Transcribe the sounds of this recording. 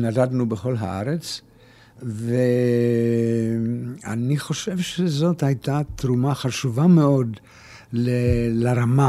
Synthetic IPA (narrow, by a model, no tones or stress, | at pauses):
nadad̪nubeχo̞lɦa̰ʔa̰ɾet͡s | ve | a̰niχo̞ʃevʃezo̞thajt̪at̪ɾumaχaʃuvameo̞d̪ | lelaɾama